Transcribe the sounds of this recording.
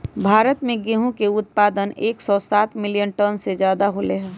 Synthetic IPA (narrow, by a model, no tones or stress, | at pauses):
bʱaːɾət̪mẽɡeɦũkeʊt̪̚paːd̪əneːksɔsaːt̪mɪlijənʈɔnsed͡ʒjaːd̪aɦoleɦɛː